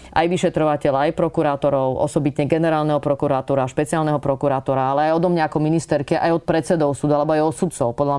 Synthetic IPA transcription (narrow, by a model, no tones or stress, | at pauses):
ʔa̰jʋiʃɛt̪ɾɔʋacɛʎaajpɾɔkuɾaːt̪ɔɾɔʊɔ̰sɔbit̪ɲɛɡɛnɛɾaːlnɛɦɔpɾɔkuɾaːt̪ɔːɾaːʃpɛt͡siaːlnɛɦɔpɾɔkuɾaːt̪ɔɾaalɛajɔd̪ɔmɲaakɔminist̪ɛɾkɛʔa̰jɔt̪̚pɾɛt̪t͡sɛd̪ɔʊsuːd̪ʊalɛbɔajɔt̪sut̪t͡sɔʊpɔd̪ʎa